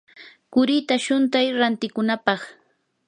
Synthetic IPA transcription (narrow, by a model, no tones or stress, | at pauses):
kʊɾɪt̪aʃʊnt̪ajɾant̪ɪkʊnapɑχ